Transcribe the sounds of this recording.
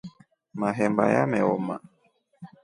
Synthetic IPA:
maɦɛmba̰ja̰mɛɔma

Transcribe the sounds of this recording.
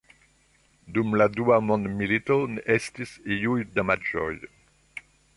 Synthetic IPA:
d̪umlad̪uamɔ̃nmilit̪ɔnɛst̪isejujd̪amad͡ʒɔ̰j

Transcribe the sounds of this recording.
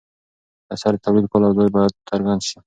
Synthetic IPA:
asaɾɪt̪ʰawlid̪̚kolawd̪ɔjbɔjad̪̚ːaɾɡanʃi

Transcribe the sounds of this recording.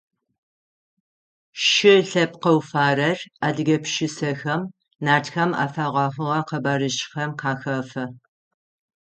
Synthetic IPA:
ʃɪɬɐp̚qɐwfaːrɐraːdɨɡɐpʰʃɪsɐxɐm | naːtʰxɐma̰ːfaʁʷɑχʊʁɐqɐbaɾɨʃʼxɐmqɑːxɐfɐ

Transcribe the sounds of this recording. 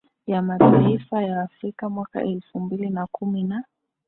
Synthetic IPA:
jamataifajaːfɾikamwaka̰ʔɛlfumbilinakumina

